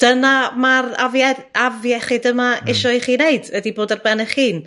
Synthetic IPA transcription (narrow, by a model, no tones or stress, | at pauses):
d̥ənamara̰vjaavjaɛχɪdəmaɪʃɔɨχiːneɨdədiboːdarbɛnəχiːn